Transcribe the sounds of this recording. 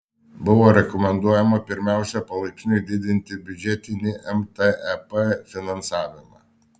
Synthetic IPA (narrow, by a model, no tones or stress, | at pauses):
bʊʋoːɾʲɛkɔmʲɛnd̪uɔjɛmopʲɪɾʲmʲæˑʊsʲɛpɐlˠɐɪkʲɪnʲʊɪd̪ʲɪd̪ʲɪnʲt̪ʲɪbʲʊd͡ʒʲɛt̪ʲɪnʲɪʔɛmt̪ɛʔɛpɛfʲɪnɐnsɑːʋʲɪmɑ̰ː